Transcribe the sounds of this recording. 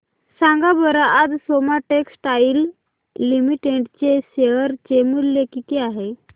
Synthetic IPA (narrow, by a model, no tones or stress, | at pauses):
sãŋɡabəɾaʔːd͡zsomaʈeksʈailː | imiʈeʈt͡ɕeɕeʋəɾt͡ɕemulːekit̪eaɦe